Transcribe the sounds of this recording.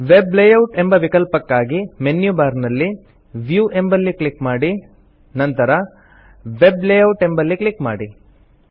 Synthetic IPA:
ʋeblejɐwʈembɐʋikɐlpɐkːaːɡimenjubaːɾnɐlːi | ʋjuʔe̞mbɐlːikɭikmaːɽi | nɐnt̪ɐɾɐ | ʋeblejɐwʈe̞mbɐlːikɭikma̰ːɽi

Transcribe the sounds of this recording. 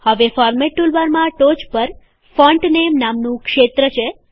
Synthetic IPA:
həʋefɔɾmeʈːulʋaɾmãʈot͡ʃpəɾ | fɔɳʈnemnamnũkʃet̪ɾət͡ʃʰe

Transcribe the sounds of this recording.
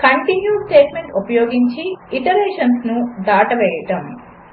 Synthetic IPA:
kɐɳʈinjuːsʈeːʈmeɳʈupɐjoːɡiɲt͡ʃiiʈɐleːʂɐnsnud̪aːʈɐʋɛːjɐʈɐm

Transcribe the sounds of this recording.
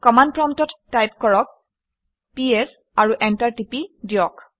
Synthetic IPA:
kɔmandpɹɔmtɔtːajpkɔɹɔk̚ | piɛs | aɹuʔɛntaɹtipidiɔk

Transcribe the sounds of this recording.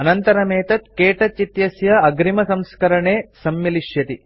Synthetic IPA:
ɐnɐnt̪ɐɾɐmeːt̪ɐt̪keːʈɐt͡ʃit̪jɐsjɐɐɡɾimɐsɐmskɐɾɐɳeːsɐmjiliʃjɐt̪i

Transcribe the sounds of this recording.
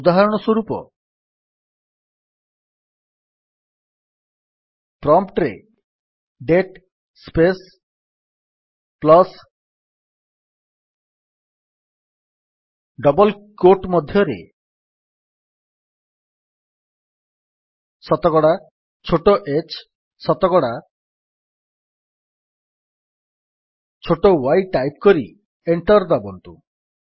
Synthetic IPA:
ud̪aɦaɾɔɽ̃ɔswɔɾupɔ̰ | pɾɔmpʈɾḛ | ɖeʈ | spes | plɔs | ɖɔbɔlkoʈmɔd̪ʱjɔɾḛ | sɔt̪ɔɡɔɽa | t͡ʃʰoʈoʔet͡ʃ | sɔt̪ɔɡɔɽa | t͡ʃʰoʈowajʈajp̚kɔɾi | eɳʈɔɾd̪abɔnt̪u

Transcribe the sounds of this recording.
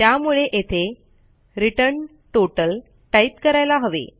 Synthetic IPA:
t̪jamuɭeʔet̪ʰe | ɾiʈəɾɳ | ʈoʈəl | ʈait̪kəɾajlaɦəʋḛ

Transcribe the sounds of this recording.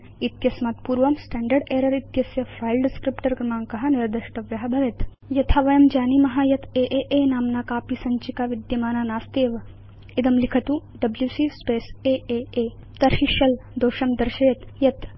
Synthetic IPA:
it̪jɐsmɐt̪puːɾʋɐmsʈɛːɳɖɐɾɖeːɾɐɾit̪jɐsjɐfʰɾaːjlɖɪskɾipʈɐɾɡɾɐmaːŋkɐɦɐniɾd̪ɐʃʈɐʋjɐɦɐbʱɐʋet̪ | jɐt̪ʰaʋɐjɐmd͡ʒaːnimɐɦajɐt̪eːʔeːʔeːnaːmnaːkaːpisɐɲt͡ʃikaːʋid̪jɐmaːnaːnaːst̪eːʋɐ | id̪ɐmlikʰɐt̪uɖɐbljuːsiːspeːseːʔeːeː | t̪ɐɾɦiʃjɐld̪oːʃɐmd̪ɐɾʃeːt̪jɐt̪

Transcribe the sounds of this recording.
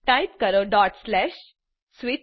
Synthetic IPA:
ʈajp̚kəɾoɖɔʈslɛɕ | sʋi

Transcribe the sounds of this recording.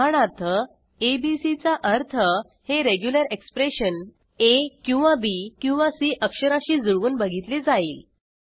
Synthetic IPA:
aɳ̃aɾt̪ʰə | ebisit͡saʔəɾt̪ʰə | heɾeɡjuləɾekspɾeɕən | ekĩw̃ʋabikĩw̃ʋasiːʔəkʂəɾaɕiːd͡zuɭʋuːnbəɡʱit̪led͡zaiːl

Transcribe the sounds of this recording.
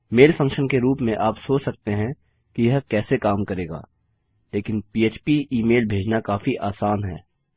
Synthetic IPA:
meːlfʰɐ̃ŋkʃənkeɾuːpmẽʔaːpsoːt͡ʃsɐk̚t̪eɦɛ̃ | kijɐɦkɛːsekaːmkɐɾeːɡa̰ː | leːkɪnpiːeːt͡ʃpiiːmeːlbʱeːd͡ʒnakaːfiʔaːsaːnɦɛː

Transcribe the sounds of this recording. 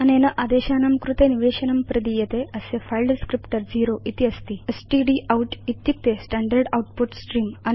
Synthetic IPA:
ɐnenɐʔad̪eɕanɐmkɾut̪eniʋeɕɐnɐmpɾɐd̪ijet̪eəsefajlɖskɾipʈəɾd͡ziɾoʔit̪iəst̪iesʈiɖiʔawʈit̪ːjik̚t̪esʈaɳɖəɾɖawuʈpuʈsʈɾiːman

